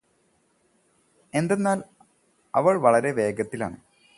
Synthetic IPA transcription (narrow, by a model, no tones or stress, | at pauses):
e̞nd̪enːaːl | ɐʋɐɭʋɐɭɐɾe̞ʋe̞ːɡɐt̪ːila̰ːɳɨ